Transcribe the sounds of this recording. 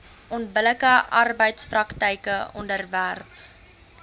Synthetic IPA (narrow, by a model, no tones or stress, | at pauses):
ɔntbələkəʔɐrbəjtsprɐktəjkəɔ̰ndərværp